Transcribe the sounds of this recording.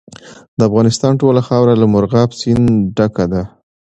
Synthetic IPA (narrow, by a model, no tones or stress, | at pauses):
d̪əafɣɑnɪst̪ɑnʈolaxɑwɾalamʊɾɣɑpsinɖakad̪a